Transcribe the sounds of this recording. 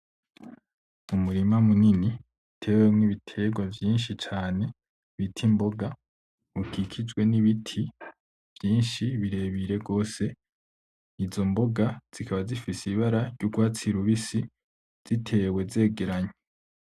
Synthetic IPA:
umuɾimamunini | tʰe̞ːwemŋniβitʰe̞ɡwavjiːnʃit͡ʃaːne̞ | βitʰimbo̞ɡa | ukʰikʰid͡ʒɡwe̞niβitʰi | v̥jiːnʃiβiɾe̞ːβiɾe̞ɡo̞ːse̞ | izo̞mbo̞ɡaz̥ikʰaβazifisiβaɾaɾɟuɡwaːt͡siɾuβisi | z̥itʰe̞ːwe̞ze̞ːɡe̞ɾaɲe

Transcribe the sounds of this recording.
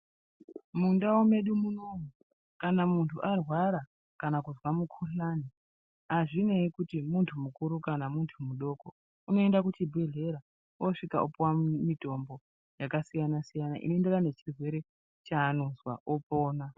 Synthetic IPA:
mundawome̞ɗumunoŋu | kanamuntʰuʔarwaɾa | kanakuzwamukʰuɬani | aʐine̞ikutimuntʰumukuɾukanamuntʰumuɗo̞ko | uno̞e̞ndakutibʱe̞ɮe̞ɾa | oʂika̰ʔupwamito̞mbo̞ | jakasijanasijana̰ʔḭnoendeɾane̞t͡ʃirwe̞ɾe̞ | t͡ʃaːno̞zwa̰ʔopo̞ːna

